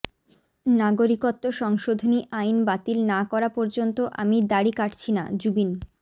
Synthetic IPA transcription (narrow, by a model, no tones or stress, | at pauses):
naɡoɾikot̪ːoʃɔŋʃod̪ʱoniʔajnbat̪ilnakɔɾapɔɾd͡ʑont̪oʔa̰mid̪aɽikaʈt͡ɕʰina̰d͡ʑubin